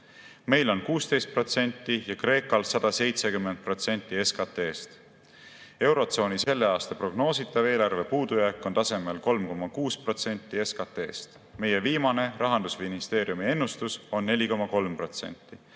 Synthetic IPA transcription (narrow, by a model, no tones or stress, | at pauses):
me̞jlo̞nkuːst̪e̞jst̪̚pro̞t̪se̞nʲt̪ˑːijɑkre̞ːkɑlsɑd̪̥ɑse̞jt̪se̞kymːen̚pro̞t̪se̞nʲt̪ːˑie̞skɑt̪e̞ːst̪ | e̞wɾo̞t̪so̞ːnise̞lːe̞ɑːst̪ɑpro̞ɡno̞ːsit̪ːˑɑve̞ːlɑrve̞puːd̪̥ujæːkːˑo̞nt̪ɑse̞me̞lko̞lmko̞mɑkuːspro̞t̪se̞nʲt̪ːˑie̞skɑt̪e̞ːst̪ | me̞jeviːmɑne̞rɑɦɑnd̪̥usminist̪e̞ːɾiumie̞nːust̪uso̞nːe̞lʲiko̞mɑko̞lmpro̞t̪se̞̰nʲt̪ːˑi